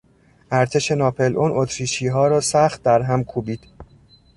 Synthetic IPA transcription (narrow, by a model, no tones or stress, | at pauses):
ʔæɾt̪ʰe̞ʃe̞nɒːpʰe̞lʔonʔot̪ʰɾiːʃiːɦɒːɾɒːsæχt̪̚d̪æɾɦæmkʰuːbiːd̪̥